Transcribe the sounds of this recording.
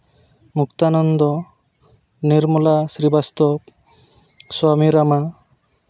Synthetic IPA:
mukt̪anɔnd̪ɔ | niɾmulasɾibast̪ɔp | samiɾama

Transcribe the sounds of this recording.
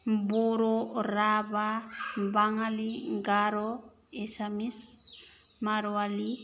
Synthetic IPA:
mboɾɔɾabambaŋaliŋɡaɾɔ | ɛsamis | maɾoali

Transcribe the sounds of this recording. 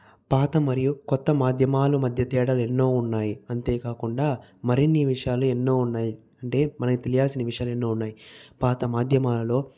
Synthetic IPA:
paːt̪ɐmɐɾijukɔt̪ːɐmaːd̪ʱjɐmaːlumɐd̪ʱjɐt̪ɛːɽaːlenːo̞ːunːaːjiɐnt̪e̞ːkaːkuɳɖaːmɐɾinːiʋiʂɐjaːluenːo̞ːunːaːji | ɐɳʈe̞ːmɐnɐkit̪elijaːlsinɐʋiʂɐjaːluenːo̞ːunːaːjipaːt̪ɐmaːd̪ʱjɐmaːlɐlo̞ː

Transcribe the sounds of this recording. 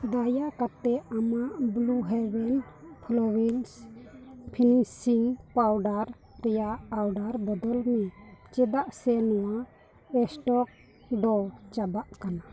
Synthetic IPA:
d̪ajakat̪ɛamaʔbluɦɛwɛn | pʰlɔwils | pʰinisiŋpawɖaɾ | ɾɛjaʔawɖaɾbɔd̪ɔlmɛt͡ʃɛd̪aʔsɛnɔwa | ɛsʈɔk̚ | ɖɔt͡ʃabaʔkana

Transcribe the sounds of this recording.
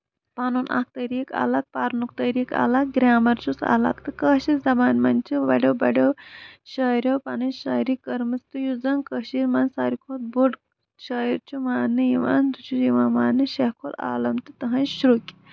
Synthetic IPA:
paːnunʔa̰k̚t̪ɐɾika̰ːlɐk̚paːɾnukt̪ɐɾika̰ːlɐk̚ɡɾʲaːmɐɾt͡ʃusa̰ːlɐ̰kt̪ɨkəːʃizɐbaːnmɐnt͡ʃiʋɐɽʲɐwbɐɽʲɐwʃɐɾʲowpaːnɐʃɐːjɾikɐɾmɨst̪ujud͡zɐŋkəʃiɾmɐnsaːɾikʰoːt̪̚boɖ | ʃɐːjiɾt͡ʃumaːnːɨjiʋa̰ːnd̪ut͡ʃʰuiʋaːnmaːnːɨʃeɦkʰola̰ːlɐmt̪it̪ɐɦɐ̃ʃɾukʲi

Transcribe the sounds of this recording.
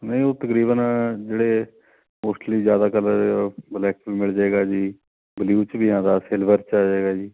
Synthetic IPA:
nəĩoːt̪əkɾiːbənd͡ʒeːɽeː | moːsʈəliːzjaːd̪aːkəlblɛːk̚biːmɪld͡ʒaːeːɡaːd͡ʒiː | bɪliuːt͡ʃbiːãːd̪aːseːlbəɾt͡ʃaːd͡ʒaeːɡaːd͡ʒiː

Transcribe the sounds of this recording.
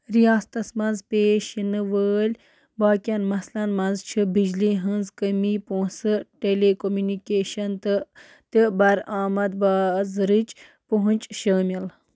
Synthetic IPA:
ɾijaːst̪ɐsmɐnzpeːʃinɨʋəːlʲ | baːkʲɐnmɐslɐnmɐnzt͡ʃʰɨbid͡ʒliːɦɨnzkɐmiːpõːsɨʈelekomjuːnikeːʃɐnt̪ɨ | t̪ɨbɐɾaːmɐd̪̚baːzɾɨt͡ʃ | poɦũnt͡ʃʃəːmʲɐl

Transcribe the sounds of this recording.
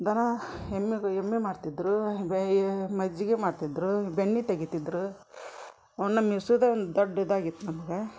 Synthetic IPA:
d̪ɐnɐemːiɡemːemaːɖt̪id̪ɾu | mɐd͡ʒːiɡemaːɖt̪id̪ɾubeɳːit̪eɡit̪id̪ːɾu | ɐʋnːɐmisud̪eond̪ud̪oɖːɐd̪aːɡit̪ːunɐmɐɡe

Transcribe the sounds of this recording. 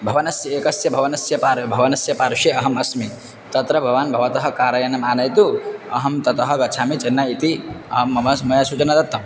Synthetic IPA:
bʱɐʋɐnɐsjɐeːkɐsjɐbʱɐʋɐnɐsjɐpaːɾbʱɐʋɐnɐsjɐpaːɾʃeɐɦɐmɐsmi | t̪ɐt̪ɾɐbʱɐʋaːnbʱɐʋɐt̪ɐɦɐ̆kaːɾɐjɐnɐmaːnɐjt̪uɐɦɐmt̪ɐt̪ɐɦɐ̆ɡɐt͡ʃʰaːmit͡ʃɐnːait̪iɐɦɐmːɐmɐsmɐjɐsut͡ʃɐnɐd̪ɐt̪ːɐm

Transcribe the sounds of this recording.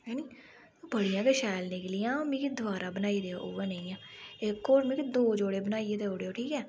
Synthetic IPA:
ɦɛːniː | bəɽijãːkeːʃɛːlnɪklijãːmĩːkid̪ʊʋaːɾaːbənaːiːd̪eːoːʔoːʋaːnẽĩːãːɪkːoːɾmĩːkid̪oːd͡ʒoːɽeːbənaːied̪eːoːɽeːoːʈʰiːkɛː

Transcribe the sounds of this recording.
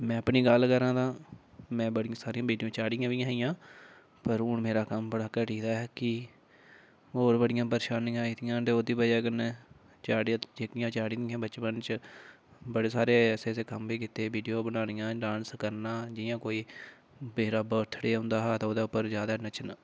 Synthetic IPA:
mɛ̃ːəpniːɡəlkəɾãːd̪ãː | mɛ̃ːbəɽɪjãːsaːɾijãːbiːɖijõːt͡ʃaːɽɪjãːʋiːãːɪjãː | pəɾʊnmeːɾaːkəmbəɽaːkəʈiːd̪aːɛːkɪ | ɦoːɾbəɽɪjãːpəɾːʃaːnɪjãːiːt̪ɪjãːd̪eːoːd̪iːbəd͡ʒaːkəneː | t͡ʃaːɽd͡ʒeːkɪjãːt͡ʃaːɽĩːd̪ɪãːbəːt͡ʃbənt͡ʃ | bəɽeːsaːɾeːɛːseːseːkəmbiːkɪt̪eːbiːɖijoːbənaːnɪjãːɖãːnskəɾnaːd͡ʒɪjãːkoːiː | beːɾaːbət̪ʰəɽeːʊ̃nd̪aːɦaːt̪aoːd̪aːʊpːəɾzjaːd̪aːnət͡ʃna

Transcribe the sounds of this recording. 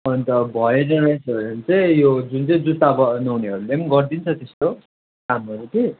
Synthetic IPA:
ʌnt̪ʌbʱʌenʌɾajsʰʌʌʌnt͡sʌj̃jod͡zunt͡sʌ̃j̃d͡zut̪abʌnʌwneɦʌɾulemɡʌrd̪int͡sʰʌt̪est̪o | kamʌɾut̪ʰe

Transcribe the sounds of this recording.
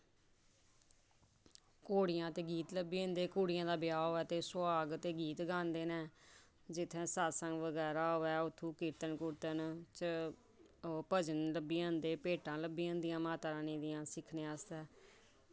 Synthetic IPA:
koːɽɪjãːt̪eːɡiːt̪ləbiːə̃ːnd̪eːkoːɽɪjãːd̪aːbɪjaːɦoːɛːt̪eːsʊaːɡt̪eːɡiːt̪ɡãːnd̪eːnɛː | d͡ʒɪt̪ʰːẽːsaːsəŋɡʋəɡɛːɾaːɦoːɛːʊt̪ʰːũːkɪɾt̪ənkʊɾt̪ənt͡ʃə | pəd͡ʒənləbiːãːnd̪eːpeːʈãːləbiːãːnd̪ɪjãːmaːt̪aːɾãːnĩːd̪ɪjãːsɪkʰneːaːst̪ɛː

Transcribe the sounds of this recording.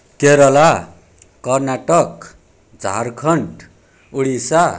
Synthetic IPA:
keɾʌla | kʌrnaʈʌk | d͡zʱa̰rkʰʌɳʈ | uɽisa

